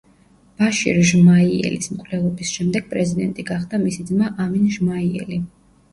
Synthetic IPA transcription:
b̥aʃḭɾʒmaiɛ̰lismkʼvlɛlˠɔbisʃɛmd̪ɛɡ̥̚pʼɾɛzid̪ɛnt̪ʼiɡaχd̪amisid̪zmaʔaminʒmaiɛ̰li

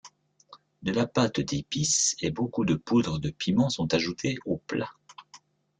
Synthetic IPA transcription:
d̪əlapat̪d̪episebokud̪əpud̪ʁəd̪əpimɑ̃sɔ̃t̪aʒut̪ʰeopla

